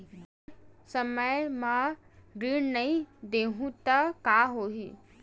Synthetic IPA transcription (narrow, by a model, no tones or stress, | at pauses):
sɐməjmãɾiːɳnɐĩd̪eːɦũt̪akaːɦoːɦi